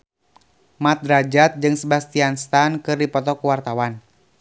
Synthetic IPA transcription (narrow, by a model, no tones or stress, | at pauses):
mat̪̚ɾad͡ʒat̪̚d͡ʒɨŋsəbast̪ianst̪ankɨrdipɔt̪ɔkuwart̪awan